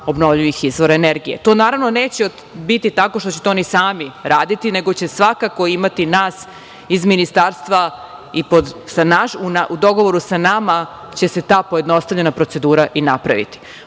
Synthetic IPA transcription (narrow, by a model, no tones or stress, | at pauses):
o̞bno̞vʎujixizʋo̞ɾaeneɾɡijḛt̪o̞ːnaːɾaʋno̞ne̞ːt͡ɕeo | bit̪it̪ako̞ʃt̪o̞t͡ɕet̪eonisaːmiɾaːd̪it̪ine̞ɡo̞t͡ɕe̞sʋakako̞imat̪inaːs | izminist̪aːɾst̪ʋaipod̪sanaʃunaʔud̪o̞ɡo̞ʋo̞ɾusanama | t͡ɕe̞se̞t̪aːpoje̞d̪no̞st̪aʋʎe̞napɾo̞t̪e̞d̪uːɾaʔinapɾa̰ʋḭt̪i̥